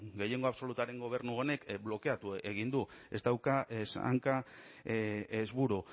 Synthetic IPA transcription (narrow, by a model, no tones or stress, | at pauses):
ɡe̞je̞ŋɡo̞aβso̞lut̪aɾe̞ŋɡo̞β̞e̞ɾnuone̞kblo̞ke̞at̪ue̞ɣ̞ind̪ue̞zt̪awkasa̰ŋka | ezβuɾu